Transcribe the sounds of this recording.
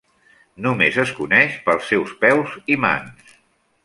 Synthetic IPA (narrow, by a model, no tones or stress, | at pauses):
numezəskunɛʃpəlˠsːɛwspɛwzima̰ns